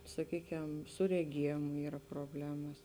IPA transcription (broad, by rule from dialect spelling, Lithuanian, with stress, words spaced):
sɐˈkʲiːˌkʲɛm sʊ rʲɛˈɡʲiɛjeːmʊ ˈiːrɐ proːˈbʲlʲæːmɐs